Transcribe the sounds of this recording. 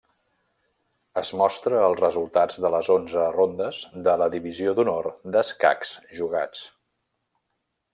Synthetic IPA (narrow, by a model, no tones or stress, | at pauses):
əzmɔst̪ɾəːlˠzrəzulˠt̪ad͡zðələzonzərond̪əzd̪ələðiβiziod̪unord̪əska̰ksʒuɣa̰t͡s